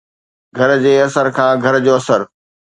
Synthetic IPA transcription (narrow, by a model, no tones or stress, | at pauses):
ɡʱɐɾd͡ʑeːɐsəɾkʰãːɡʱɐɾd͡ʑoːɐsəɾ